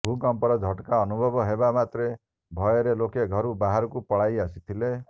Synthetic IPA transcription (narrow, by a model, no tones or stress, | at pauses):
bʱukɔmpɔɾɔd͡ʒʱɔʈkaɔnubʱɔbɔɦebamat̪ɾe | bʱɔjɔɾelokeɡʱɔɾubaɦaɾɔkupɔɭajasit̪ʰile